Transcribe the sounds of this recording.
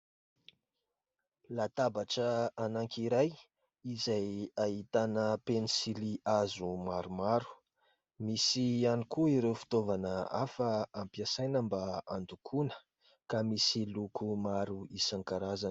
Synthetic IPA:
lat̪abaʈ͡ʂəanaŋkʲiɾaj | izajaɦit̪anəpenisiliʔazumaɾumaɾu̥ | misianikuiɾewfi̥t̪ovanəafəampiasajnəmbaand̪ukʰunə̥ | kamisilukumaɾuisaŋkaɾazanə̥

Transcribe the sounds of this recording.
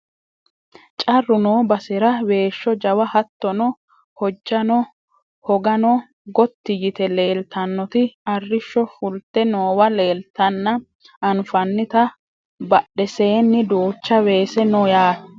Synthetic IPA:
t͡ʃʼɐrːʊnoːbɐsɛɾɐwe̞ːʃːɔd͡ʒɐwɐhɐt̪ːɔnɔ | hɔd͡ʒːɐnɔ | hɔɡɐnɔ | ɡɔt̪ːɪjɪt̪ɛle̞ːlt̪ʰɐnːɔt̪ɪɐrːɪʃːɔfʊlt̪ːɛnoːwɐle̞ːlt̪ɐnːɐ | ɐnfɐnːɪt̪ɐ | bɐɗːɛseːnːɪd̪uːt͡ʃːɐwe̞ːsɛnojaː

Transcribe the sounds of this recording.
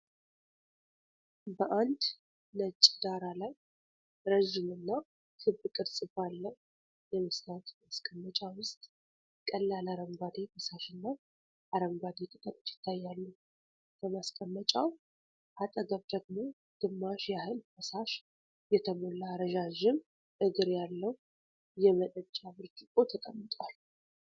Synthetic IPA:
bəʔand̪ | nət͡ʃʼːd̪aɾalaj | ɾəʒɪmɨnːa | t̪ʰɨbːɨkʼɨɾsʼɨbalːəh | jɛmɨsnat̪maskʼəmːət͡ʃʼawʊst̪ʼ | kʼəlːalaɾəŋɡʷad̪ebəsaʃɪnːa | ʔaɾəŋɡʷad̪et̪ʼɨt̪ʼɨɾʼt͡ʃjɪ̥t̪ʰːajːalːəh | ləmaskʼəmːət͡ʃʼaw | ʔat̪ʼəɡəβd̪əɡmo | d̪̥ɨmːaʃjahɨlbəsaʃ | jɛt̪ʰəmolːaɾəʒaʒɪm | ʔɨɡɨɾjalːəhu | jɛmənət͡ʃʼːabɨɾd͡ʒɨkʼo̞t̪ʰəkʼəmːɨt̪ʼwal

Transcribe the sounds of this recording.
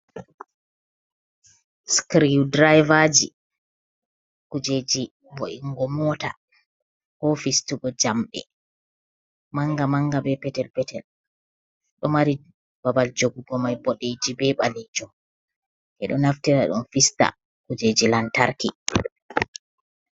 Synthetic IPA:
skɾiudɾajvad͡ʒḭ | kud͡ʒed͡ʒi | boʔiŋɡɔmɔta | kɔfistuɡɔd͡ʒamɗɛ̰ | maŋɡamaŋɡabɛpɛtɛlpɛtɛl | ɗɔmaɾi | babald͡ʒoɡuɡɔmajbɔɗed͡ʒibɛɓalid͡ʒɔ | ʔɛ̰ɗɔnaftɛɾaɗṵnfista̰ | kud͡ʒed͡ʒilantaɾkḭ

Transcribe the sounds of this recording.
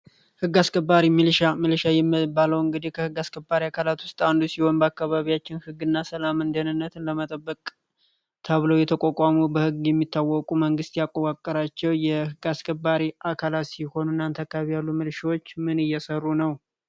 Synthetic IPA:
hɨɡaskʰʼəbːaɾimɨlʃamɨlʃajɛmɨbaləwɨŋɡɨd̪ihkʰəhɨɡaskʰəbːaɾiakʰalat̪wʊst̪ʼand̪usiho̞nbəakːaβaβijat͡ʃːɪnhɨɡːɨnːasəlamɨnd̪ənɨnːət̪ʰɨnləmət̪ʼəbːəkʼ | t̪ʰəβləwjɛt̪ʰəkʼɔkʼamubəhɨɡjɛmːit̪ʰːawːɔkʼuməŋɡɨst̪jakʼːokʼakʼːəɾat͡ʃːɛwjɛhɨɡaskʰʼəbːaɾiʔakʰalat̪siho̞nunːant̪ʰakːaβijalːumɨlʃawot͡ʃːmɨnɨjːɛsərːunəw

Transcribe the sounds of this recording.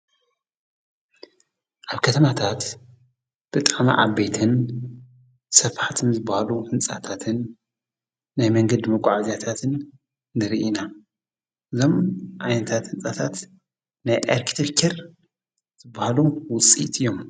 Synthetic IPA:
ʔaβkʰɐt̪ʰɐmat̪ʰat̪ | b̥ɨt̪ʼaʕma̰ʔa̰bet̪ʰɨn | sɐβħat̪ʰɨnzɨbːahaluhɨnt͡sʼat̪ʰat̪ʰɨn | ajmɐŋɡɐd̪mɐkʷʼaʕazijat̪ʰat̪ʰɨnː | ɨɾɨʔina | ʔɨzo̞mʔajnɐt̪ʰat̪hɨnt͡sʼat̪ʰat̪ | najʔḛɾkʰit̪ʰefkʰeɾ | z̥ɨbːahalumwʊt͡sʼːḭt̪ʼɨjːo̞m

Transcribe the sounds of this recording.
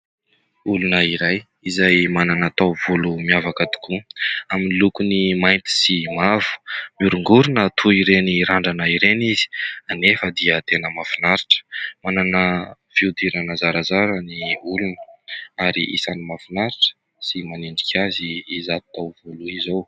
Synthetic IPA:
ulunəiɾaj | izajmananat̪awvulumiavakət̪u̥kuaminilukunimajnt̪i̥simavu̥muɾuŋɡuɾunət̪ʰuiɾeniɾaɳɖ͡ʐanəiɾenizi̥anefəd̪iət̪enəmafinaɾiʈ͡ʂə̥mananə | v̥iud̪iɾanəzaɾazaɾəniulunəaɾḭʔḭsanimafinaɾiʈ͡ʂə̥ | simaniɳɖ͡ʐikʲʰaziːzat̪awvuluizow

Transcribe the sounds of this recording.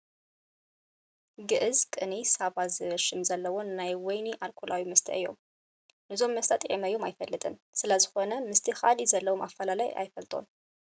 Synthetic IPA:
ɡɨʔɨzkʼɨnisaβazɨβɐʃɨmzɐlːɐwo̞nːajwɔjniʔalkʰulawimɐst̪ʰɐ̰ʔɨjːo̞̰m | nɨzo̞mːɐst̪ʰat̪ʼʕimɐjːomajfɐlːɨt̪ʼɨnsɨlɐzɨxo̞nɐmɨst̪ʰixalizɐlːɐwo̞mafːɐlalaja̰jfɐlt̪ʼʰo̞̰n

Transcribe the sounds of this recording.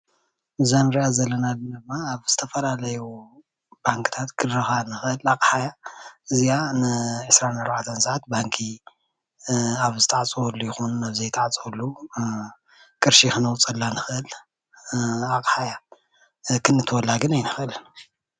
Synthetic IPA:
mɨzanɾiazɐlːɐnalːɐnd̪ɨmːaːβz̥ɨt̪ʰɐfɐlalɐju | baŋkʰɨ̥t̪ʰat̪kɨd̪ɾɐxanɨxʔɨlakʼħajaɨzijanɨʕɨsɾanaɾβaʕt̪ʰɐnsʼaʕat̪̚baŋkʰi | aβzɨt̪ʰaʕt͡sʼuwɔlːujɪxonaβzɐjt̪ʰaʕt͡sʼolːu | kʼɨɾʃixɨnɐwt͡sʼɐlːanɨxʔɨl | akʼħaja | kʰɨnːɨt̪ʰwɔlːaɡɨnajnɨxʔɨlɨn

